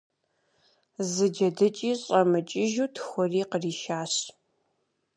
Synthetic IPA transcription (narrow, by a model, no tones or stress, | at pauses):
zɨd͡ʒɐdɨt͡ʃʼiːɕʼɐmɨt͡ʃʼɪʒuːtʰxʷɔriːqəriːʃaːɕ